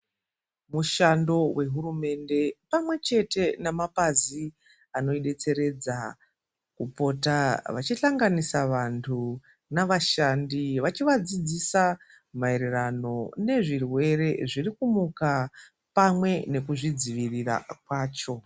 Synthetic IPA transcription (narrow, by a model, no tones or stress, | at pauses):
muʃando̞wʔe̞ɦurume̞nde̞pamwe̞t͡ʃe̞te̞namapazi | ano̞iɗe̞t͡se̞ɾe̞d͡za | kupo̞ːtaʋat͡ʃiɬaŋɡanisaʋantʰu | naʋaʃandiʋat͡ʃiʋad͡zid͡zisa | mae̞ɾerano̞ne̞ʐirwe̞re̞ʐirikumuka | pamwe̞ne̞kuʐid͡ziʋirira̰k̚waːt͡ʃo̞